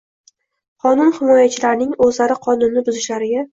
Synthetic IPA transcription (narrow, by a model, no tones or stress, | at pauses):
qʰɒnʊnhɪmɒjat͡ʃʰɪlaɾnɪŋɵzlaɾɪqʰɒnʊnːɪbʊzɪʃlaɾɪɡʲa